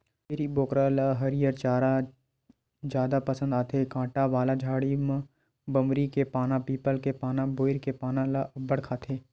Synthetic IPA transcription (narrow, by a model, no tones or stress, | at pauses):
pɪɾiboːkɾalaɦɐɾijəɾt͡ʃaːɾa | d͡ʒjaːd̪apɐsə̃nd̪aːt̪ʰekãːʈaʋaːlad͡ʒʱaːɽim̃ | bəmɾikepaːnãpiːpəlkepaːnãboːɪɾkepaːnãlabəɽkʰaːt̪ʰeː